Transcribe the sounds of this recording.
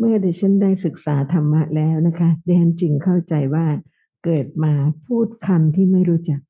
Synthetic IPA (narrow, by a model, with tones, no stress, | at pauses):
mɯ˥˩ɐda˨˩t͡ɕʰa˦˥ndaː˥˩jsɯ˨˩k̚saː˩˦t̪ʰa˧mːa˦˥ʔlɛː˦˥wna˦˥kʰa˦˥dɛː˧nt͡ɕi˨˩ŋkʰa˥˩wt͡ɕa˧jwaː˥˩ | kɤː˨˩t̪̚maː˧pʰuː˥˩t̪̚kʰa˧mt̪ʰiː˥˩ma˥˩jɾuː˦˥t͡ɕa˨˩k̚